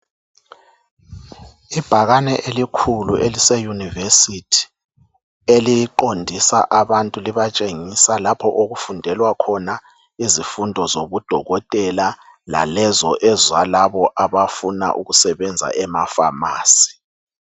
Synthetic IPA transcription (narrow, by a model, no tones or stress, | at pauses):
ib̥ʱaɣanɛʔelikʰuluʔelisɛjunivesitʰi̥ | elijǃondʱisa̰ʔaβantʼuliβat͡ʃʼeŋisalapʰɔʔoɣufundʱɛlwakʰɔna | izifundʱɔzoβud̥ʱɔɣɔtʼɛla | la̰lɛzɔʔɛzwalaβɔʔaβafuna̰ʔuɣusɛβɛnd͡zʱa̰ʔɛmafamaːsi̥